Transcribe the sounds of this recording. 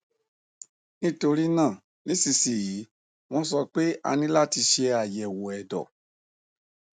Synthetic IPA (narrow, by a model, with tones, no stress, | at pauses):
nĩ˦˨to˧ɾi˦nãː˦˨ | nĩ˦si˧si˨ji˨˦ | w̃ɔ̃˧˦s̬ɔ˧k͡pe˦a̰˧nĩ˦la˦˨ti˧ʃe˧a˨jɛ˨wo˨ɛ˨dɔ̰˨